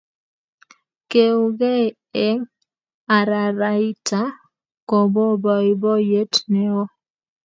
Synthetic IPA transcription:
ke˨ʊ˨ɡɛ˦˨ | ɛ˦ŋ | a˨ɾa˨ɾa˨ɪ˦ta˦ | kɔ˨bɔ˦bɔ˨ɪ˨bɔ˦je˦tnɛ˨ɔ˦

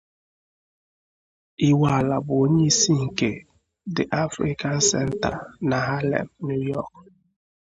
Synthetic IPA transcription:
i˦wa˨la˨bʊ˨o˦ɲe˦i˦si˦ŋ̩˨ke˨ | dɪ˨ʔa˦fɾḭ˦ka˦˨n̩˦sɛ̰˦n̩˦ta̰˨na˨ɦa˦lḛ˨mnu˦jɔ˦˨k

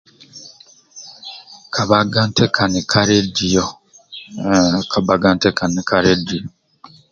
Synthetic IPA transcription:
kʰa˨βa˦ɡa˦ntʰe˦kʰa˨ni˨kʰa˦ɾe˦di˨jo˨ | kʰa˨ba˦ɡa˦nte˦ka˨ni˨ka˦ɾe˦di˨jo˨

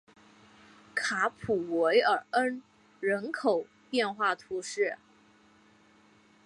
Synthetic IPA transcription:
kʰa˧˥pʰu˨˩we˧˥ɪə˞˨˩ə˥n | ɻə˧˥nkʰo˨˩ʊ | pjɛ˥˧nxwa˥˩t̪ʰu˧˥ʂɻ̩˥˩

